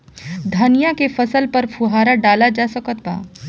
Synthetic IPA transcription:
d̪ʱənijãkefɐsəlpɐɾfʰuɦaːɾaɖaːlad͡ʒaːsɐkət̪ba̰ː

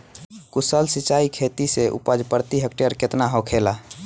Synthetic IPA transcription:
kusəlsit͡ʃaikʰet̪iseʔṵpəd͡ʒpəɾt̪iɦəkʈijəɾket̪naɦokʰela

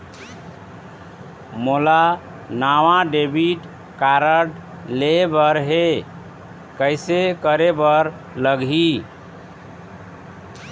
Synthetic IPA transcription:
mola | naʋaɖebiʈ | kaɾəɽ | lebəɾɦe | kəɪsekəɾebəɾ | ləɡɦi

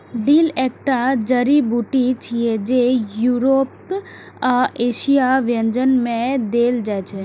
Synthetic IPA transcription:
ɖiːlɛk̚ʈad͡ʒəɾibuʈit͡ʃʰied͡ʒejuːɾoːp | aeːʃijaʋjə̃nd͡ʒənmẽd̪eːld͡ʒajt͡ʃʰe

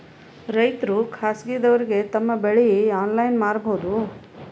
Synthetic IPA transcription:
ɾɐjt̪ɾukʰaːsɡiːd̪ɐʋɐɾiɡe̞t̪ɐmːɐbeɭejiaːnlɐjnmaːɾboːd̪u

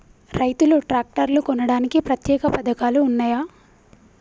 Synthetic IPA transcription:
ɾɐjt̪uluʈɾaːk̚ʈɐɾlukɔnɐɽaːnikipɾɐt̪jɛːkɐpɐd̪ɐkaːluːnːaːjaː

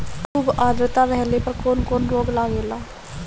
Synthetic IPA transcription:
kʰuːbaːd̪ɾət̪aːɾɛɦleːpəɾkonkonɾoːɡlaːɡeːlaː

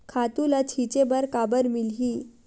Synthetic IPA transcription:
kʰat̪ulat͡shit͡ɕebəɾkabəɾmilɦi

